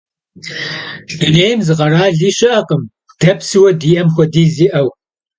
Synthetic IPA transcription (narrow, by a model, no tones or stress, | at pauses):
ɨneːjmzɨqɐɾaːɮiːɕɐʔɐqəm | d̥ɐpsɨwɐdiːɐmxʷɔdiːziːʔɐw